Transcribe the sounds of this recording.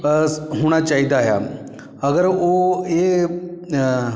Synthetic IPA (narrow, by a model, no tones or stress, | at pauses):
sɦuːɽ̃at͡ʃaːɦid̪aːɦja̰ː | ɐɡəɾoe